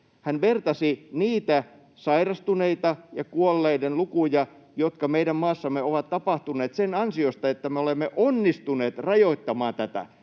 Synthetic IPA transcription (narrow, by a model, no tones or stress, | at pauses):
hænʋert̪ɑsiniːt̪æ | sɑirɑst̪uneit̪ɑjɑkuolːeidenlukujɑ | jot̪kɑmeidæmmɑːsːɑmːeoʋɑt̪t̪ːɑpɑht̪unˑeːt̪senɑnsiost̪ɑet̪ːæmeolemːeʔonːist̪uneːt̪rɑjoit̪ːɑmɑːnt̪æt̪æ̰